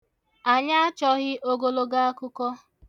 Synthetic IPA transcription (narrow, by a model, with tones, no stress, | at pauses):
a˨ɲa˦a˦t͡ʃɔ˦ɣɪ˦ʔo˦ɡo˨lo˨ɡa˦a˦kʊ˦kɔ˦